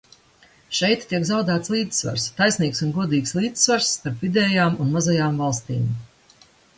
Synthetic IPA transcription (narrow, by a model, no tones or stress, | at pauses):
ʃɛjt̪ːiɛkzawd̪aːt̪slˠiːd̪sva̰ɾst̪ajsniːksunɡuɔd̪iːkslˠiːd̪zsvaɾsːt̪aɾpvid̪ɛːjaːmunmazajaːmvalˠst̪ḭːm